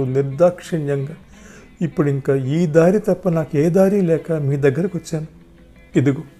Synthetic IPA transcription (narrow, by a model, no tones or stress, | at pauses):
uniɾd̪aːkʂɐɳjɐŋɡɐ | ipːuɽiŋkaːiːd̪aːɾit̪ɐpːɐnaːkueːd̪aːɾiːlɛːkɐmiːd̪ɐɡːɐɾikiʋɐt͡ʃːaːnu | id̪uɡu